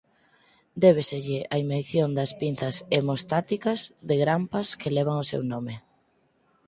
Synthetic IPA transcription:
d̪ɛβeseʎɪʔɐimejθjond̪ɐspin̟θɐsemost̪at̪ikɐzðɪɣɾampɐskelɛβ̞aŋosḛwnomɪ

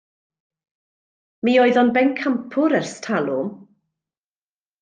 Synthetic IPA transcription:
miːɔɨðɔnbɛnkʰampʰʊɾərstʰalˠʊ

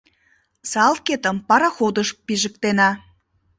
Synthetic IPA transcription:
sɑlket̪əmpɑɾɑxod̪əʃpiʒə̆k̚t̪enɑ

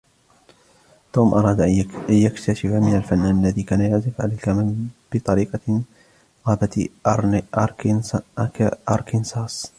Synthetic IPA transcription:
t̪oːmʔɑɾˤɑːd̪ajakt̪aʃɪfamɪnalfanːaːnalːaðiːkaːnajaʕzɪfʕa̰lajkab̥ɪt̪ˤɑɾiːqɑ | ɣaːbat̪ | ʔɑɾˤkɪnsɑːs

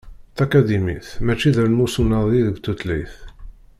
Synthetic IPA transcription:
θækæd̪imiθmæt͡ʃːiðəɾnmusunːəðˤiðəɡt̪ːut̪liθ

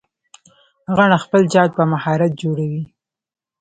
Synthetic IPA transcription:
ɣaɳaxpəld͡ʒɑd̪̚pəmahɑɾat̪̚d͡ʒoɽawi

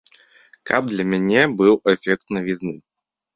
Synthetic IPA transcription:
kʰɐb̚d̪lʲɐmʲanʲɛbɨwɛfʲɛk̚t̪nɐvʲiznɨ

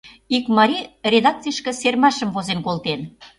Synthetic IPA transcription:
ikmɑɾʲirʲed̪ɑk̚t͡sijəʃkə̆sermɑʃə̆mvozenkolt̪en

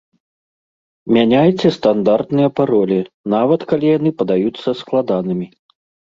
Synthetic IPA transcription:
mʲanʲajt͡sʲɛst̪and̪art̪nɨjɐpaɾɔlʲi | navɐt̪kalʲijan̪ɨpɐd̪ajut̪sːɐsklˠad̪anɨmʲi

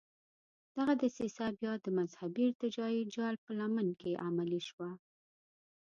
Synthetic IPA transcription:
d̪̥aɣad̪əsisabjɑd̪əmazhabiɪɾt̪ɪd͡ʒɑjid͡ʒɑlpəlamənkeʔamaliʃwa

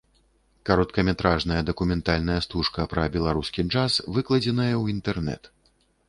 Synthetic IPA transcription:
kaɾɔt̪kɐmʲɛt̪ɾaʐnɐjɐd̪ɐkumʲɛnt̪alʲnɐjɐst̪uʂkɐpɾɐbʲɛlˠaɾuskʲit͡ʂasvɨklˠɐd͡zʲɛnɐjɐwint̪ɛrnɛ̰t̪

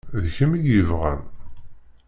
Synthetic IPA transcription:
ðçəmiɡəvʁə̰m

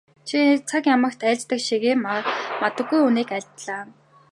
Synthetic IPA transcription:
ʃʰit͡sʰakjamə̆kt̪ʰæːɮʲt͡ɕt̪ə̆kʃiɣeːmmat̪ə̆ɡːujuniːkæɮʲt̪ɮaː

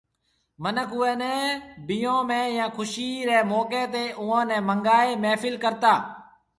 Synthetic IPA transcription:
mənəkʊɛːnɛ̃ːbɪjõːmɛ̃ːjãːkʰʊʃiːɾɛːmɔːkeːt̪eːʔʊːãːnɛ̃ːməŋɡaːeːmɛːfɪlkəɾt̪aː

